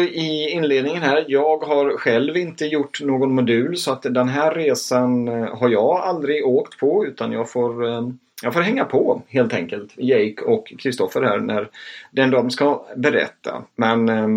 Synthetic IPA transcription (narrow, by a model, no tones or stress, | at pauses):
ɪɪnːleːd̪nɪŋənhɦæːɾjɑːɡɦaɾɧɛlvɪnt̪əjʊʈːnoːɡɔnmʊd̪ʉ̟ːlsɔat̪d̪ɛnɦæːɾːeːsanɦaɾjɑːɡald̪ɾɪɡoːkt̪pʰɔʉ̟ːt̪ʰanjɑːɡfoːɾ | jɑːɡfoːɾɦɛŋːapʰɔheːlt̪ɛŋkəlt̪jɛjkʰɔkʰːɾɪst̪ɔfəɾhæ̰ːɾnæɾd̪ɛnd̪ɔmskabɛɾɛ̰t̪ʰːa̰mɛn